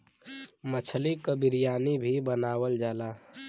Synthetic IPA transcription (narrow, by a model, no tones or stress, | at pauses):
mət͡ʃʰlikəbɪɾijaːnibʱibənaːwəld͡ʒaːlaː